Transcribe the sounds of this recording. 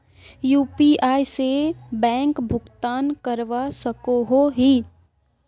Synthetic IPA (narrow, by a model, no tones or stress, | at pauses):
juːpiaːisebɛ̃ːŋkbʱʊɡt̪aːnkəɾʋasəkoɦoɦi